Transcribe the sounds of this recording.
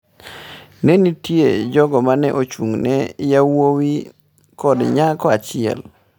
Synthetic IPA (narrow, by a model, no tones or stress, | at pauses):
nenitjed͡ʒɔɡɔmanɛ̰ʔot͡ʃuŋnɛjawowi | kɔdɲakɔat͡ʃɪɛ̰l